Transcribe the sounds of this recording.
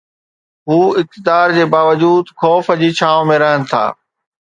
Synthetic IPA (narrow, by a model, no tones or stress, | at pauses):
ɦuːɪk̚t̪ɪd̪aːɾd͡ʑeːbaːʋəd͡ʑuːd̪xɔːfəd͡ʑiːt͡ɕʰaːõmẽɾɐɦənɪ̆t̪ʰa̰ː